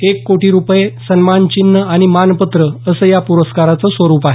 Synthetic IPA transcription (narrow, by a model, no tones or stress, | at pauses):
ekːoʈiːɾupjesənmant͡ɕinːəaɽ̃imanpət̪ɾəəsəːjapuɾəskaɾat͡səsʋəɾuːpaɦe